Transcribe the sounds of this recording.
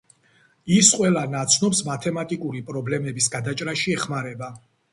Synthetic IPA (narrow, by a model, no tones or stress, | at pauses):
isqʼwɛlˠanat̪sʰnɔpsmat̪ʰɛmat̪ʼikʼuɾipʼɾɔblɛmɛbisɡad̪at͡ʃʼɾaʃiɛχmaɾɛba